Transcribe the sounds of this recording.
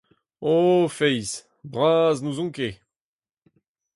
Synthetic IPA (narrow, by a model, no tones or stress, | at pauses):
ofɛjz | bʁaːznuzɔ̃ŋke